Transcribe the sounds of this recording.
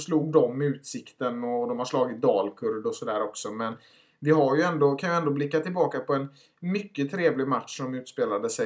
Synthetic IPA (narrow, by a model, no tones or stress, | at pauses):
sluːɡ̚d̪ɔmːʉ̟ːt̪sɪkt̪ənɔd̪ɔmhaʂlɑːɡɪt̪̚d̪ɑːlkʰɵɾd̪ɔsɔd̪æːɾɔksɔmɛn | vɪɦaɾjɵɛnd̪okʰanjɵɛnd̪oːblɪkːat̪ʰɪlbɑːkapʰɔɛn | mʏkːət̪ʰɾeːvlɪɡmat̪ʂɔmʉ̟ːt̪speːlad̪əsɛ